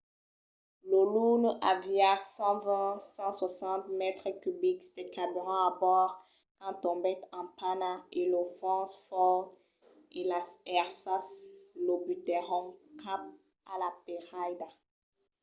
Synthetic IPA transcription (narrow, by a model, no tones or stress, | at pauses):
lolunaviasɑ̃vɛ̃sɑ̃swasɑ̃t̪mɛt̪χəkybiksd̪ekabyʁɔ̃abɔʁ | kɑ̃t̪ɔ̃bɛt̪ɑ̃panaelofɔ̃sfɔ | elasɛʁsaslobyt̪ɛʁɔ̃ŋkap̚ | a̰lapeʁajd̪a